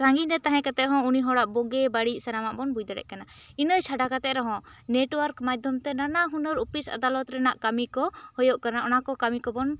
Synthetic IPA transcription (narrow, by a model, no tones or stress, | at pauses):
sãŋɡiɾɛt̪aɦɛ̃kat̪ɛʔ̚ɦɔ̃uniɦɔɽaʔbɔɡɛbaɽisɛnamaʔbɔnbujd̪aɽɛ̰ʔ̚kanainəjt͡ʃʰaɖakat̪ɛʔɾɛɦɔ̃neʈwəɾkmad̪ʱjɔmt̪ɛnanaɦunəɾupisa̰d̪alɔt̪ɾɛnaʔkamikɔhɔjɔʔkanaʔɔnakɔkamikɔbɔn